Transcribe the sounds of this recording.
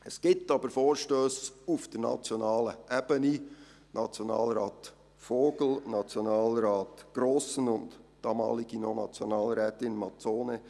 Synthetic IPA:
ɛsɡ̥ɪp̚tɑbəɾfoːɾʃtøːsufd̥əɾnɑ̰t͡sjonɑːləʔɛb̥əni | nʔɑt͡sjonɑ̰ːlɾɑːt | foːɡl̩nɑt͡sjonɑːlɾɑːtɡ̥ɾoːsən̩ʊntd̥ɑːmɑ̰ːlɪɡ̥inonɑ̰t͡sjonɑːlɾɛːtɪnmɑt͡soːnə

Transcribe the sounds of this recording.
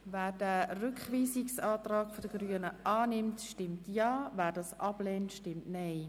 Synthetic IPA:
væːɾdɛrʏkχʋiːsɪksɑːtrɑːɡfodəɡryənəʔɑːnɪmtʃtɪmtjɑːvæːɾdɑsʔɑblɛːntʃtɪmtnɛɪ

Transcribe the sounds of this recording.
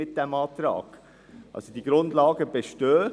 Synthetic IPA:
ɪt̚d̥ɛmɑːt̪ɾɑ̰ːɡ̥ | ʔɑ̰lsod̥iɡ̥ɾʊndlɑːɡəbeʃtøː

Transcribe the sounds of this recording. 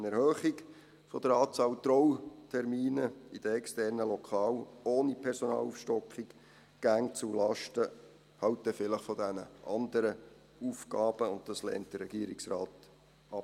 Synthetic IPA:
ənɛɾhøːχiɡ | fɔd̥̪əɾɑːt͡sɑːwt̪ɾɔwtʰɛɾmiːnəid̥əɛkstɛɾnəlɔkʰɑːwoːnipʰɛɾsɔnɑ̰ːlufʃtɔkχik | ɡ̥æŋt͡sulɑʃtə | hɑwt̚d̪ɛfɪləχfɔd̪ænəʔɑnd̪əɾə | ufɡɑːb̥əʊnttɑslɛ̰ːntd̥əɾɛɡiːəɾiksɾɑːt | ɑpː

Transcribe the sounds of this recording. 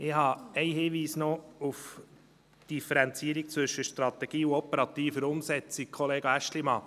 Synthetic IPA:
ɪhɑɛɪhɪːʋiːsnɔuf | d̥ifəɾænt͡siːəɾik̚t͡sʋɵʃːəʃtɾɑt̪ɛɡ̥iːuɔpəɾɑt̪iːfəɾʊmsɛt͡sɪk̚kʰoleːɡ̥æʃtlimɑ

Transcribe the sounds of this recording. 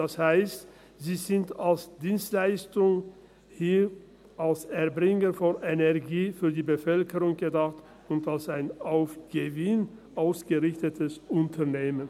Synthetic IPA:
d̥ashaɪst | z̥iːzɪntalsd̥iːnstlaɪstʊŋ | hiː | alsɛɐbʁɪŋəfɔnʔenɛɐɡiːfyːɐdiːbəfœlkəʁʊŋɡədaχt | ʊntalsaɪnaʊfɡ̥əvɪnʔaʊsɡ̥əʁɪçtətʰəsʊntʰɐneːmən

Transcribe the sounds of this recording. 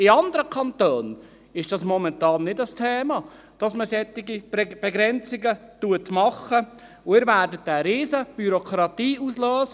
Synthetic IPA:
ɪɑnd̪əɾəkʰɑnt̪øːn | ɪʃd̥ɑsmɔmɛntɑːnːɪdəstʰɛːmɑ | d̥ɑsməsɛt̪ːɪɡib̥ɛɡɾɛnt͡sɪɡətuətmɑχə | ʊɪːɾvæːɾdətːɛɾiːsəb̥yɾɔkʰɾɑtiːuslœːsə

